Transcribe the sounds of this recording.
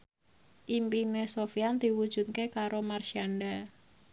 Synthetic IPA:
ʔimpinesofiand̪i̤wud̥ʒ̥ṳt̪̚kekaɾomarʃianɖa

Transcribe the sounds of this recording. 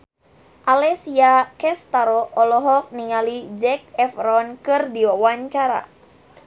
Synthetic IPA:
ʔalɛsiakɛst̪aɾɔɔlɔɦɔk̚niŋalid͡ʒɛkɛfɾɔnkɨrdiawaɲt͡ʃaɾa̰

